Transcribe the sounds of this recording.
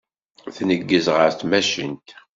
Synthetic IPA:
θnəɡːəzʁəɾθmæʃənt̪

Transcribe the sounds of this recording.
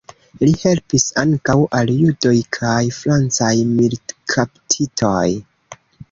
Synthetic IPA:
lihe̞lpisaŋkawʔaljudo̞jkʰajfɾant͡sajmilkʰaptʰitʰoj

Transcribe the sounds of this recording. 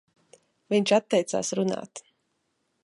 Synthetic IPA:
viɲʲt͡ʃat̪ːɛjt̪sa̰ːsɾuna̰ːt̪

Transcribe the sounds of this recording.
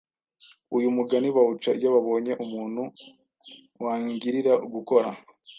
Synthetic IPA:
ujumuɡaniβaut͡ʃaijoβaβo̞ːɲe̞ʔumuːnhu | waːŋɡiɾiɾauɡuko̞ɾa̰

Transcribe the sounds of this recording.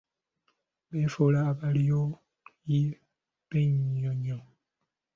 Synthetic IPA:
befolaːβalijo | ji | b̥eɲɲɔɲɔ

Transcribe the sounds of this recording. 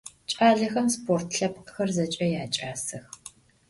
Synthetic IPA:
t͡ʃʼaːɮɐxɐmspʰoːrtʰɬɐpqxɐrzɐt͡ʃʼɐjaːt͡ʃʼaːsɐx

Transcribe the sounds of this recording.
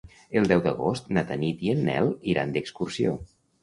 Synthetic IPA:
əlˠd̪ɛwd̪əɣost̪nat̪ənit̪iənːɛ̰lˠiɾa̰nd̪əkskursio̰

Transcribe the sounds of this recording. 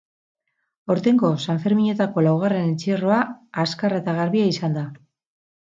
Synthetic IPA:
o̞ɾt̪e̞ŋɡo̞saɱfe̞ɾmiɲe̞t̪ako̞lawɣ̞are̞nent͡siero̞aːskaraet̪aɣaɾβiaisand̪a

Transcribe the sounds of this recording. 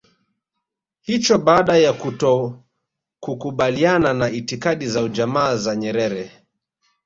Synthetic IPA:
hit͡ʃɔɓaːɗajakutɔ | kukuɓaliananaitikaɗizaud͡ʒamaːzaɲɛɾɛɾɛ

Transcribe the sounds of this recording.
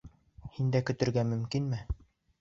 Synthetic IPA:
hind̪ækɵ̆t̪ɵ̆ɾɡæmɵ̆mkinmɘ

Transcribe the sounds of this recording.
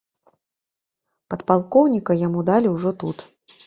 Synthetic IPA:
pɐt̪palˠkɔwnʲikɐjamud̪alʲiwʐɔt̪ut̪

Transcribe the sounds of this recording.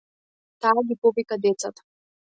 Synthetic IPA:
t̪aːɡʲipɔvikad̪ɛt̪sat̪ḁ

